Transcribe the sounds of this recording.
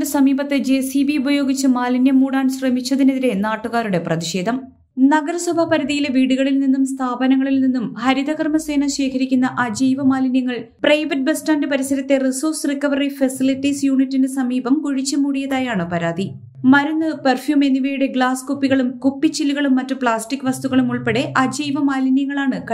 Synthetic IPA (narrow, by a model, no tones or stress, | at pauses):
ɨsɐmiːbɐt̪ːed͡ʑeːsibiubʱɐjo̞ːɡit͡ɕːɨmaːlinjɐmːuːɽaːnɕrɐmit͡ɕːɐðineðiɾe̞naːʈːuɣaːɾuɽe̞prɐðiɕe̞ːd̪ʱɐm | nɐɡɐɾɐsubʱɐpɐɾɐðijileʋiːɽuɣɐɭilninːumst̪ʰaːbɐnɐŋːɐɭilninːumhɐɾid̪ɐɣɐrmɐse̞ːnɐɕe̞ːkʰɐɾikʲːunːɐʔad͡ʑijʋɐmaːlinjɐŋːɐɭ | prɐjʋɐt̚bestaːndɨpɐɾisɐɾɐt̪ːe̞risoːrsrikːɐʋɐrifɐsilitːisjuːɳitːinɨsɐmiːbɐmkuɻit͡ɕːɐmuːɽijɐðaːjaːɳɨpɐɾaːd̪ʱi | mɐɾunːɨperfjuːme̞nːiʋejuɽe̞ɡɭaːskupːiɣɐɭumkupːit͡ɕilːuɣɐɭumːɐtːupɭaːstikːɨʋɐst̪uɣɐɭumuɭpe̞ɽe̞ʔɐd͡ʑijʋɐmaːlinjɐŋːɐɭaːɳɨkɐ